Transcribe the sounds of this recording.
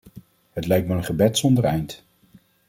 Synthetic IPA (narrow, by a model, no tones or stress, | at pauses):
hətlɛjk̚tmaənχəbɛtsɔndəɹɛ̰jnt